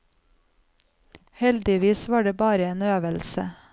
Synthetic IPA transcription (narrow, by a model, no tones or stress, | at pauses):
hɛld̪ɪʋiːsʋɑːɖeːbɑːɾəeːnøːʋəlsə̰